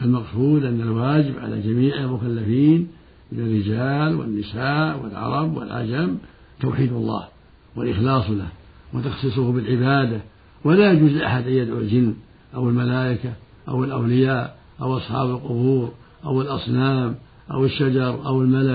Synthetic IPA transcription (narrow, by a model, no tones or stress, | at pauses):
ʔalmɑqsuːd̪ʔanːalwaːd͡ʒɪbʕa̰la̰d͡ʒamiːʕalmʊkalːafiːn | mɪnarːɪd͡ʒaːlwɪ̰nːɪsaːʔwɪ̰lʕɑ̰ɾˤɑbwɪ̰lʕa̰d͡ʒam | t̪a̰wħiːd̪ɑlˤːɑ̰ːh | walʔɪxlɑːsˤlah | wat̪ɑxsˤɨs̬ˤʊhbɪlʕɪbaːd̪a | walajad͡ʒuːzʔaħad̪ʔajːad̪ʕuld͡ʒɪnː | ʔawɪlmalaːʔɪka | ʔawɪlʔawlɪjaːʔ | ʔawʔɑsˤħɑ̰ːbalqʊbuːɾ | ʔawɪlʔɑsˤnaːm | ʔa̰wɪʃːad͡ʒɑɾˤʔawɪlmala